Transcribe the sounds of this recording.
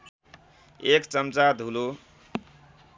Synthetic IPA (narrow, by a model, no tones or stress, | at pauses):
ekt͡sʌmt͡sad̪ʱulo